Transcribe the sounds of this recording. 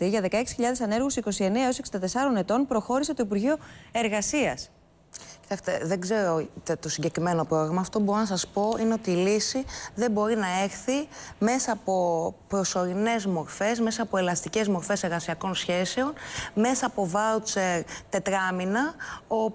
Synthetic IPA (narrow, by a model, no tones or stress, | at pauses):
iʝɐðe̞kɐe̞ksi̥çiʎɐðe̞sɐne̞ɾɣusiko̞sie̞neɐoseksind̪ɐt̪e̞sɐɾo̞ne̞t̪o̞npɾo̞xo̞ɾise̞t̪oipuɾʝio̞e̞ɾɣɐsiɐs | cit̪ɐkst̪eðeɡze̞ɾo̞t̪et̪o̞siɲɟe̞kɾime̞no̞pɾo̞ɣɾɐmɐːft̪o̞bo̞ɾo̞nɐsɐspo̞ine̞o̞t̪iːlisiðe̞mbo̞ɾinɐe̞xθime̞sɐːpo̞pɾo̞so̞ɾine̞zmo̞ɾfe̞zme̞sɐːpoe̞lɐst̪ice̞zmo̞ɾfe̞se̞ɾɣɐsiɐko̞nsçe̞se̞o̞nme̞sɐːpo̞vɐwt͡seɾt̪e̞t̪ɾɐminɐo